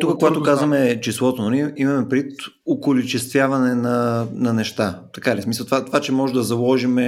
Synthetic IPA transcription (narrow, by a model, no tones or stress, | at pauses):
t̪ukəkoɡat̪okazvɐmɛt͡ʃislˠɔt̪ononʲiɛimɐmɛpɾit̪ | okʊlit͡ʃɛst̪vʲjavɐnɛnɐnɐnɛʃt̪at̪ɐkalismisəlˠt̪vat̪vat͡ʃɛmɔʒɛd̪ɐzɐlˠɔʒimɛ